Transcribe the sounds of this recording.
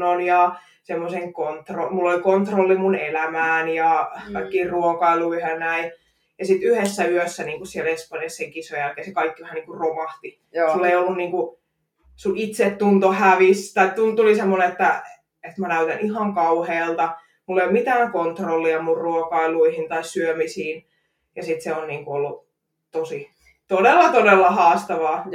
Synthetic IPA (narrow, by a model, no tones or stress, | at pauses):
onjɑ | semːoseŋkont̪romulːolikont̪rolːimunelæmæːnjɑkɑikːiːrruokɑiluihɑnæi | jɑsit̪yhesːæyøsːæniːŋkussielespɑnjɑsːeŋkisojælkesekɑikːiʋæhæniːŋkuromɑht̪i | sulːeiolːunniːŋku | sulit̪set̪ːunt̪ohæʋist̪ɑit̪t̪unt̪t̪ːulisemːoneet̪ːæ | et̪mænæyt̪ænihɑŋkɑuheːlt̪ɑ | mulːeimit̪æːŋkont̪rolːiɑmurruokɑiluihint̪ɑissyømisiːn | jɑsit̪seonniːŋkuolːu | t̪osi | t̪odelːɑt̪odelːɑhɑːst̪ɑʋɑː